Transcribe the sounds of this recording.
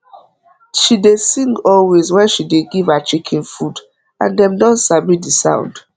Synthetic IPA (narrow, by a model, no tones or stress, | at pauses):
ʃidesĩŋɡɔlwezwɛ̃nʃideɡivat͡ʃikʰĩnfud | ã̰ndɛ̃mdɔ̃nsabidisã̰ʊ̃nd̥